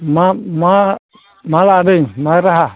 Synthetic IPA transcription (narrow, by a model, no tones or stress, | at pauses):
mama | maladəɲmaɾaɦa